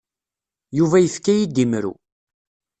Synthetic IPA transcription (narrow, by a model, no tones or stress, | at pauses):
juvæjəfkːæjid̪imɾṵ